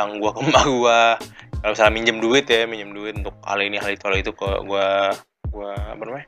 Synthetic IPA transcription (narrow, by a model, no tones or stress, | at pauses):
aŋɡuakəmːaɡuakalobisalamiɲd͡ʒəmduɪt̪jamiɲd͡ʒəmduɪt̪unt̪ʊk̚ha̰liniɦalit̪uhalit̪ukə̰ɡua | ɡuaːpanamaɲa